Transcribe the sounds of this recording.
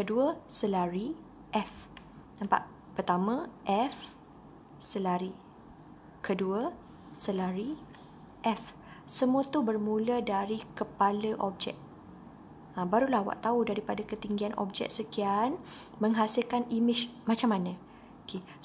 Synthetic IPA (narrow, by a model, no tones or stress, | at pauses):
kəduəsəlaɾi | ʔɛf | nãmpa̰ʔ | pərt̪amə̃ʔɛf | səlaɾi | kʰəduə | səlaɾi | ʔɛf | səmũət̪ubərmũlədaɾikəpaləʔɔp̚d͡ʒɛ̰k̚ | əbaɾulahwa̰ʔt̪audaɾipadakət̪iŋɡianʔɔ̰p̚d͡ʒɛ̰k̚səkianməŋɦasilkanimɪt͡ʃmãt͡ʃamanə̃ | okʰe